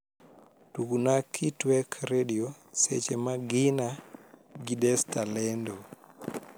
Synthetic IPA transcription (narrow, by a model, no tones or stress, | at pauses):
tukunakʰitwɛkʰɾediosḛt͡ʃemaɡɪna | ɡidɛstalɛndo